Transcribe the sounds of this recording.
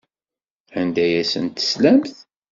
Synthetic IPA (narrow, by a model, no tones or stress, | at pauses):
ʕənd̪æjæsə̰nt̪ə̥slæmθ